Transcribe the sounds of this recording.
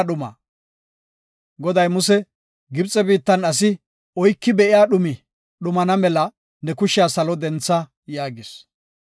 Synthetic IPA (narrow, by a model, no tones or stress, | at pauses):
ɗʊma̰ː | ɡɔd̪ɐjmʊsɛ | ɡɪbt͡sʼɛbiːt̪ːɐnɐs̬ɪ | ɔjkːɪbɛʔɪjaːɗʊmɪ | ɗʊmɐnɐmɛlɐ | nɛkʊʃɪjaːsɐlɔd̪ɛnt͡sːɐ | jaːɡɪs